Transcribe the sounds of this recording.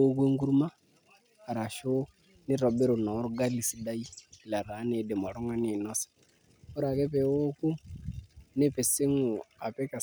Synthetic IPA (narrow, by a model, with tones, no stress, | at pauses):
o˦kwe˦ŋɡu˦ɾu˦maː˦˨ | ɾa˨ʃo˦ | nɪ˦ɾɔ˨be˦ɾo˨nɔ˨˦ɾɡa˦li˨si˦da˦i˦˨la˨ɾa˨˦ne˨de˨ma˨ɾo˦ŋa˦ni˨nɔ˦sḁ˨ | o˦ɾa˨kɛ˦pɛ˨o˦ku˦ | nɪ˦pe˨sɪ˦ŋu˨a˨pɛ˦ka˨